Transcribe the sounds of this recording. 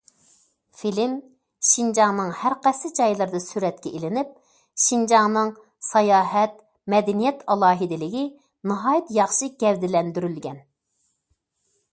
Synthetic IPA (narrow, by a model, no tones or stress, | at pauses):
filɪm | ʃind͡ʒɑŋnɨŋhæɾqɛsɨd͡ʒɑjlˠɨɾd̪ɨsyɾɛt̪̚kʲɛelɪnyp̚ | ʃind͡ʒɑŋnɨŋ | sɑjɑːɦɛt̪̚ | mɛd̪ɪnijɛt̪ʰɑlˠɑːɦid̪ɪlɪɡʲi | nɨɦɑːjit̪jɑχʃɨɡʲɛvd̪ɪlɛnd̪yɾylɡʲɛn